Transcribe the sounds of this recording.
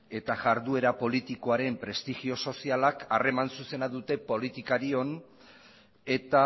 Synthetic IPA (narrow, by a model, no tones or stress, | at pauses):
e̞t̪aʝaɾðue̞ɾapo̞lit̪iko̞aɾe̞mpɾe̞st̪iɣio̞so̞sialakare̞mansuse̞naðut̪e̞po̞lit̪ikaɾio̞n | e̞t̪a